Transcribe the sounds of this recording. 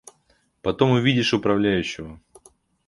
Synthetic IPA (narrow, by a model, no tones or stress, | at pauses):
pɐt̪o̞mʊvʲidʲɪʂʊpɾɐvlʲæjʉɕːɪvə